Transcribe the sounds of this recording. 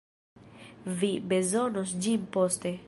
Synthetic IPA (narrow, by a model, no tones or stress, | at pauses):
vibezonosd͡ʒimpost̪e